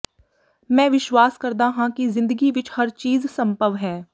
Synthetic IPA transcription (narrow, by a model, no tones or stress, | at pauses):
mɛ̃ːʋɪʃwaːskəɾd̪aːɦãːkizɪ̃nd̪əɡiʋɪt͡ʃhəɾt͡ʃiːzsə̃mpəʋɦɛː